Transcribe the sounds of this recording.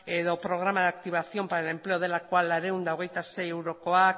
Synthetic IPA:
e̞ðo̞pɾo̞ɣ̞ɾamaðak̚t̪iβ̞asio̞mpaɾaele̞mple̞o̞ð̞elakoalaɾe̞und̪aoɣ̞e̞jt̪ase̞jewɾo̞ko̞ak

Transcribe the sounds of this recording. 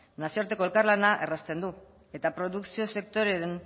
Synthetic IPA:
nasioɾt̪e̞ko̞e̞lkarlanaʔe̞rast̪e̞nd̪u | e̞t̪apɾo̞ðuksio̞se̞k̚t̪o̞ɾe̞ɾen

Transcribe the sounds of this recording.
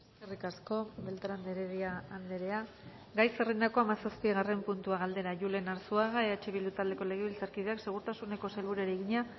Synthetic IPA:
kerikasko̞be̞lt̪aɾand̪eɾeðiaand̪e̞ɾe̞a | ɡajserend̪ako̞amasaspiɣare̞mpunt̪uaɣ̞ald̪e̞ɾaʝule̞naɾsuaɣaeaet͡ʃe̞βild̪ut̪ald̪e̞ko̞le̞ɣ̞eβilt͡saɾkiðe̞akse̞ɣ̞uɾt̪asune̞ko̞selβuɾeɾeɣiɲa

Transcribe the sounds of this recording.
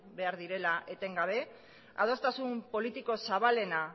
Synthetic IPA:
be̞aɾðiɾe̞laʔe̞t̪e̞ŋɡaβ̞e̞ | a̰ð̞o̞st̪asumpo̞lit̪iko̞saβale̞na

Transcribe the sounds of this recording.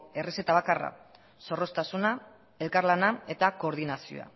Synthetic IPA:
e̞rise̞t̪aβ̞akara̰ | so̞ro̞st̪asuna | e̞lkaɾlanae̞t̪ako̞ːɾðinasio̰a̰

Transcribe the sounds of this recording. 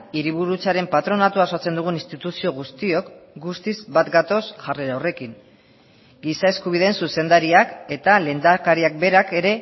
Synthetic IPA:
iɾiβ̞uɾut͡saɾe̞mpat̪ɾo̞nat̪uasot͡se̞nd̪uɣ̞uninst̪it̪usio̞ɣ̞ust̪io̞kɡust̪izbat̪ɡat̪o̞sʝareɾawre̞kiŋ | ɡisae̞skuβ̞iðe̞ːnsuse̞nd̪aɾiake̞t̪ale̞nd̪akaɾiak̚be̞ɾake̞ɾe̞

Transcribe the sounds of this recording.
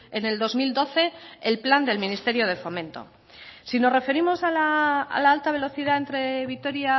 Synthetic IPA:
ene̞ld̪o̞zmild̪o̞θe̞ːlpland̪e̞lmĩnist̪e̞ɾjo̞ð̞e̞fo̞mẽ̞nt̪o̞̰ | sinore̞fe̞ɾimo̞sala̰ːlaalt̪aβ̞e̞lo̞θiðae̞nt̪ɾe̞β̞it̪o̞ɾja

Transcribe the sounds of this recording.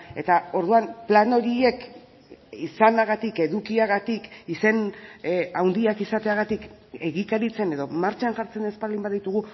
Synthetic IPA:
e̞t̪ao̞ɾðuamplano̞ɾie̞k | isanaɣat̪ike̞ðukiaɣat̪ikise̞n | awnd̪iakisat̪e̞aɣat̪ike̞ɣikaɾit͡se̞ne̞ðo̞maɾt͡ʃanʝaɾt͡se̞ne̞spalimbaðit̪uɣ̞u

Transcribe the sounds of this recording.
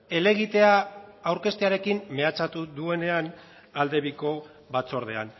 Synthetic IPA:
e̞le̞ɣ̞it̪e̞aawɾke̞st̪eaɾe̞kimːe̞at͡sat̪uðue̞ne̞an | ald̪e̞βiko̞ | βat͡so̞ɾð̞e̞̰a̰n

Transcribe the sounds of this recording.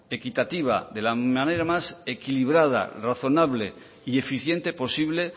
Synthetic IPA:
e̞kit̪at̪iβ̞a̰ðe̞lamane̞ɾamase̞kiliβɾað̞a̰raθo̞naβle̞̰ | ie̞fiθjent̪e̞po̞siβle̞

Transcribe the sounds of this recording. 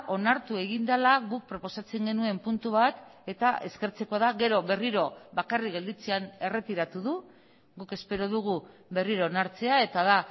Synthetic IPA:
ʔo̞naɾt̪ue̞ɣind̪alaɣuk̚pɾo̞po̞sat͡se̞ŋɡe̞nue̞mpunt̪uβat̪e̞t̪ae̞̰ske̞ɾt͡se̞ko̞aðaɣe̞ɾo̞βe̞riɾo̞βakarikɣe̞ld̪it͡seane̞re̞t̪iɾat̪uðu | ɣuke̞spe̞ɾo̞ðuɣ̞uβe̞riɾo̞ːnaɾt͡se̞ae̞t̪aða

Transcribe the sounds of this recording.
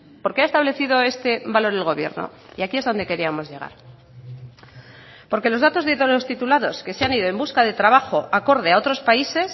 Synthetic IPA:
po̞ɾkeaest̪aβle̞θið̞o̞e̞st̪e̞βalo̞ɾelɣ̞o̞β̞je̞̰ɾno̰ | ḭakie̞zðo̞nd̪e̞ke̞ɾiamo̞zʝe̞ɣ̞a̰ɾ | po̞ɾke̞lo̞zðat̪o̞zðeelost̪it̪ulaðo̞ske̞seaniðo̞e̞mbuskaðe̞t̪ɾaβaxo̞ʔako̞ɾð̞e̞ao̞t̪ɾo̞spaise̞s

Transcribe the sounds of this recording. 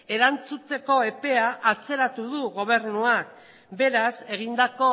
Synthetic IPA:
e̞ɾant͡sut͡s̪e̞ko̞e̞pe̞aʔat͡se̞ɾat̪uðuɣo̞β̞e̞ɾnuak̚ | be̞ɾase̞ɣ̞ind̪ako̞

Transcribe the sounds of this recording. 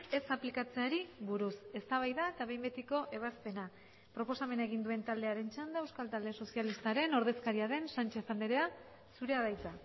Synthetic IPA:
e̞saplikat͡se̞aɾiβuɾuse̞st̪aβajðaet̪aβe̞jmbet̪iko̞ʔe̞β̞aspe̞na | pɾo̞po̞same̞naeɣ̞ind̪ue̞nt̪ald̪e̞aɾe̞nt͡ʃand̪aewskalt̪ald̪e̞so̞sialist̪aɾe̞no̞ɾðe̞skaɾiaðe̞nsant͡ʃe̞θand̪eɾe̞a | suɾe̞aðajt̪a

